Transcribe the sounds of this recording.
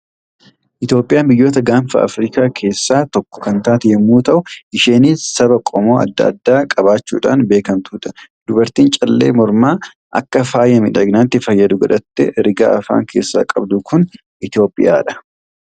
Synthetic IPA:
ʔɪt̪jo̞ːpʼɪjaːmbɪjːo̞ːt̪ɐɡaːɱfɐ̰ʔɐ̰fɾiːkaːkʰe̞ːsːaːt̪ɔkːɔ̥kɐnt̪aːt̪ɪjɛmːuːt̪ɐʔʊʔɪʃe̞ːniːsɐbɐkʼɔmoːɐ̰d̪ːɐ̰ɐ̰d̪ːaːkʼɐbaːt͡ʃːṵːᶑa̰ːnbeːkɐnt̪uːᶑɐ̥d̪ʊbɐɾt̪iːnt͡ʃʼɐlːeːmɔɾmaː | ʔɐ̰kːɐfaːjɐmɪᶑɐɡnaːnt̪ɪfɐjːɐd̪ʊɡɐᶑɐt̪ːɛɾɪɡa̰ːʔɐfa̰ːŋkʰe̞ːsːa̰ːkʼɐbd̪ʊkʰʊn | ʔɪt̪jo̞ːpʼɪ̰jaːᶑɐ̥

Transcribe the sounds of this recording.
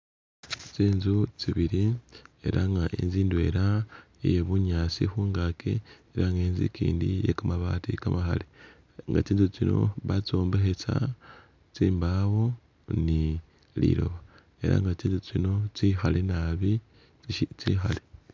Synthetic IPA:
t͡siːnzut͡siβiɾie̞̰ɾaŋɡaʔḭnziːndwe̞̰ɾa | ijeβuɲaːt͡sixuːŋɡakʰḛː | ɾaŋɡeːnzḭkḭːndijekamaβaːtikamaxa̰li | ŋɡa̰t͡siːnzut͡sino̞̰βat͡so̞ːmbe̞xet͡sa | t͡siːmbawo̞ | ni | lḭɾo̞̰βa | e̞ɾa̰ŋɡat͡siːnzut͡sino̞t͡sixale̞naβi | t͡sixale

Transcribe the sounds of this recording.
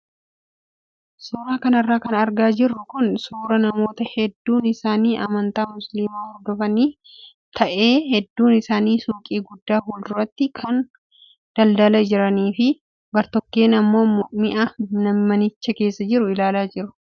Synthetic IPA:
suːɾaːkɐnɐrːaːkɐnɐɾɡaːd͡ʒɪrːʊkʊnsuːɾɐnɐmo̞ːt̪ɐhɛd̪ːuːnɪsaːniːʔɐmɐnt̪aːmʊslimaːhɔɾd̪ɔfɐniː | t̪ʰɐʔe̞ːhɛd̪ːuːnɪsaːniːsuːkʼiːɡʊd̪ːaːhuːld̪ʊrɐt̪ːɪkʰɐn | d̪̥ɐld̪ɐlɐd͡ʒɪɾɐniːfɪ | bɐɾt̪ɔkːeːnɐmːo̞ːmʊʔmɪʔɐnɐmːɐnɪt͡ʃːɐke̞ːsːɐd͡ʒɪɾʊɪlaːlaːd͡ʒɪɾʊ̥

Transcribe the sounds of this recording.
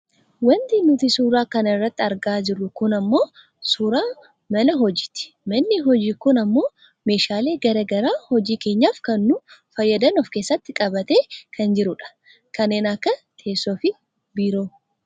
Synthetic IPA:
wɐnt̪inʊt̪ɪsuːɾaːkɐnɪrːɐt̪ːɪɐɾɡaːd͡ʒɪrːʊkʊnɐmːo̞ː | suɾaː | mɐlɐɦɔd͡ʒɪ̥t̪ɪ̥ | mɐnːɪɦɔd͡ʒiːkʊnɐmːo̞ː | me̞ːʃaːle̞ːɡɐɾɐːɡɐɾaːhɔd͡ʒiːke̞ːɲːaːfkɐnːʊfɐjːɐd̪ɐnɔfke̞ːsːɐt̪ːɪkʼɐbɐt̪eːkʰɐnd͡ʒɪɾʊᶑɐ̥ | kɐnːeːnɐkːɐt̪ʰe̞ːsːoːfɪ | biːɾo̞ː

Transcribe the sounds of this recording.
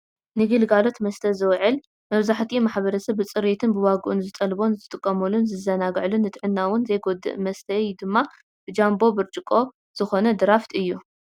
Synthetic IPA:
nɨɡɨlɡalo̞t̪mɐst̪ʰɐzɨwʕɨl | mɐβzaħt̪ʰimaħbɐɾɐsɐβːɨt͡sʼɨɾit̪ʰɨnbɨwaɡuʔɨnzɨt̪ʼɐlbo̞nzɨt̪ʼɨkʼːɐmɐlunzɨzɐnaɡʕlunːɨt̪ʰʼɨʕɨnːawʊnzɐjɡod̪ɨ̰ʔmɐst̪ʰɐjd̪ɨmːa | b̥ɨd͡ʒambo̞bɨɾt͡ʃʼɨkʼo̞ | z̥ɨxo̞nɐd̪ɨɾaft̪ʰɨjːu

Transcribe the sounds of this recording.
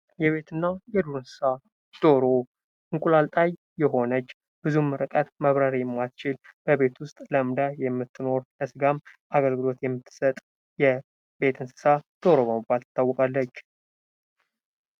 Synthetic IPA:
jɛβe̞t̪ʰɨnːajɛd̪uɾɨnsɨ̥sa | d̪̥o̞ɾo̞ | ʔɨŋkʼulalt̪ʼajːɛɦo̞nət͡ʃː | b̥ɨzumːɨɾɨkʼət̪məβɾaɾijɛmːast͡ʃɪlb̥əβe̞t̪wʊst̪ʼləɨmd̪ajɛmːɨt̪ʰːɨno̞ɾləsɨɡamʔaɡəlɡɨlo̞t̪jɛmːɨt̪ʰːɨ̥sət̪ʼ | jɛ | be̞t̪ʰɨnsɨ̥sad̪̥o̞ɾo̞βəmɨbalt̪ʰɨ̥t̪ʰːawːɔkʼalːət͡ʃː

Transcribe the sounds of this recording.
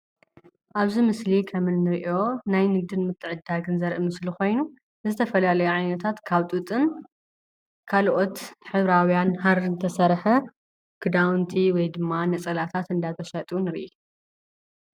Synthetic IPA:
ʔaβzimɨslikʰɐmɨnːɨɾiʔo̞najnɨɡ̚d̪ɨnmɨt̪ʰːɨʕɨd̪ːaɡɨnzɐɾʔɨmɨslixo̞jnu | zɨt̪ʰɐfɐlalɐjuʕajnɐt̪ʰat̪kʰaβt̪ʼut̪ʼɨn | kʰalʔo̞t̪ħɨβɾawjanɦaɾzɨt̪ʰɐsɐɾħɐ | kʰɨd̪awnt̪ʰiwɔjd̪ɨmːanɐt͡sʼɐlat̪ʰat̪ɨnd̪at̪ʰɐʃɐt̪ʼunɨɾiʔ

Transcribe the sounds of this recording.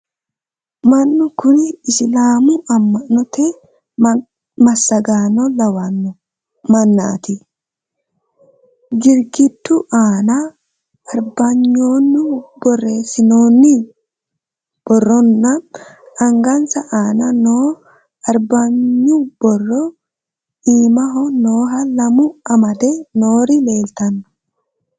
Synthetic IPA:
mɐnːʊkʊnɪɪslaːmʊʔɐmːɐʔnːɔt̪e | mɐsːɐɡaːnɔlɐwɐn | mɐnːa̰ːt̪ɪ | ɡɪɾɡɪd̪ːuʔaːnɐ | ɐɾbɐɲːoːnːʊbɔrːeːsɪnoːnːɪ | b̥ɔrːɔnːɐ | ɐŋɡɐnsɐʔaːnɐnoː | ɐɾbɐɲːʊb̥ɔrːɔ | iːmɐɦɔnoːɦɐlɐmʊɐmɐd̪ɛnoːɾɪle̞ːlt̪ɐnːɔ̥

